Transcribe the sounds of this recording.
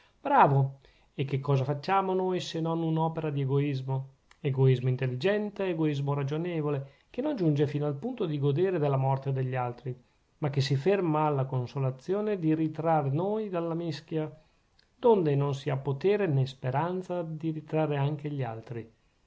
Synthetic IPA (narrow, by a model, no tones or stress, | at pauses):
b̥ɾaːvo | ekːekːɔːzafat͡ʃːaːmonojsenonunɔːpeɾad̪ieɡoizmo | eɡoizmoint̪elːid͡ʒɛnt̪eeɡoizmoɾad͡ʒonɛːvole | kenond͡ʒund͡ʒefinoalpunt̪od̪iɡod̪eːɾed̪elːamɔrt̪ed̪eʎːalt̪ɾi | makːes̬ifermaːlːakonsolat̪sːjoːned̪iɾit̪ɾarːenoːjd̪alːamisk̟ja | d̪ond̪enonsiapːot̪eːɾenespeɾant̪sad̪iɾit̪ɾarːeaŋkeʎia̰lt̪ɾi